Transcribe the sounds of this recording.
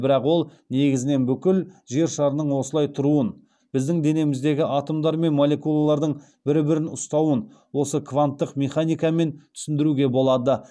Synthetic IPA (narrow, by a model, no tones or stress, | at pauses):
bɪɾɑqwo̞lˠ | ne̞ɡʲɪzɪne̞nbʏkʲɪlʒe̞ɾʃɑɾənəɴwo̞səlˠɑjt̪ʰʊɾuən | b̥ɪzd̪ɪŋd̪e̞ne̞mɪzd̪e̞ɡʲɪʔɑt̪omd̪ɑɾme̞nmolʲe̞kulˠalˠɑɾd̪əɴ | bɪɾɪbɪɾɪnʊst̪ɑwən | wo̞səkʰvant̪ːəqmʲe̞χanijkɑme̞ntt̪ʰʏ̥sɪnd̪ɪɾuɡʲe̞bo̞lˠɑd̪ə